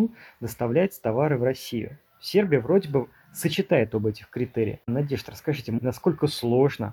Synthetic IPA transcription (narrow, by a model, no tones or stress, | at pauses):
d̪əst̪ɐvlʲæɪt̪ʲst̪ɐvaɾɨvɾɐsʲijʊ̰ | sʲe̞rbʲɪjəvɾo̞dʲɪbɨ | sət͡ɕɪt̪ajɪt̪obɛtʲɪxkɾʲɪt̪ɛɾʲɪ̰jnɐdʲeʂt̪əɾəskɐʐɨtʲɪnɐsko̞lʲkəslˠo̞ʐnə̰